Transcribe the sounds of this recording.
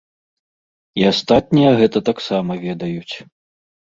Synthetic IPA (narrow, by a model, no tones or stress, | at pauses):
iast̪at̪̚nʲijɐɣɛt̪ɐt̪aksamɐvʲɛd̪ɐjut͡sʲ